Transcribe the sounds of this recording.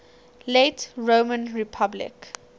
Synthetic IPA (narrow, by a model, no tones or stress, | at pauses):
letɹomə̃nɹipʰablɪ̰k